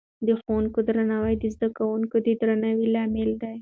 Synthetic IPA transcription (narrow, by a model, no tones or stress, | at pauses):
d̪əxowuŋkod̪ɾanawajd̪əzd̪akawuŋkod̪əd̪ɾanawilɑmɪld̪aj